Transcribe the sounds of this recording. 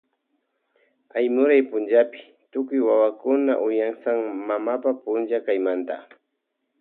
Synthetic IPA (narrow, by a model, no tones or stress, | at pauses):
ajmʊɾajpʊnd͡ʒapɪ̥ | t̪ʊkʊjwawakʊnaʔʊjaŋsaŋmamapapʊnʒakajmant̪a